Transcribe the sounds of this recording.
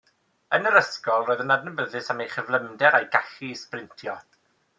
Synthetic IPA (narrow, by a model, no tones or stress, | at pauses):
ənəɾəskɔlˠroːɨðənadnəbəðɨsamejχəvlˠəmdɛɾajɡaɬisprɪntʰjɔ